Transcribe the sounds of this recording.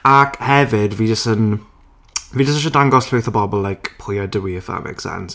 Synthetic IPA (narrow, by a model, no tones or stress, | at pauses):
akʰhɛvɪdviːd͡ʒəstən | vid͡ʒəsəʃ̬ɔdaŋɡɔsɬɪwθɔbɔbɔlːajkpʰʊjadəwiəfa̰mɛ̰ksɛ̰ns